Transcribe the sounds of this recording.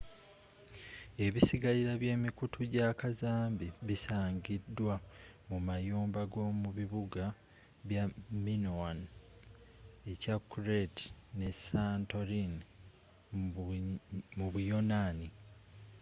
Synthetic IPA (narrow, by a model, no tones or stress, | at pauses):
e̞βisiɡaliɾaβje̞ːmikutʰuɟakazaːmbiβisaːɲɟidːwamumajoːmbaɡo̞ːmuβiβuɡa | βjaminowan | e̞cakːuɾetnesanto̞ɾin | muβujo̞naːni